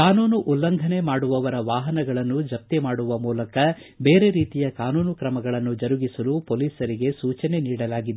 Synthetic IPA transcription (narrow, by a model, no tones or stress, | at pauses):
kaːnuːnuʔulːɐnɡ̪ʱɐne̞maːɽuʋɐʋɐɾɐʋaːɦɐnɐɡɐɭɐnːud͡ʒɐp̚t̪emaːɽuʋɐmuːlɐkɐbeːɾe̞ɾiːt̪ijɐkaːnuːnukɾɐmɐɡɐɭɐnːud͡ʒɐɾuɡisɐlupoliːsɐɾiɡe̞suːt͡ʃɐne̞niːɽɐlaːɡid̪e